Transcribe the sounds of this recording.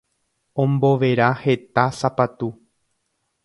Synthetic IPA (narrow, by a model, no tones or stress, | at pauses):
õ̞mbo̞ʋe̞ɾahe̞t̪asapat̪u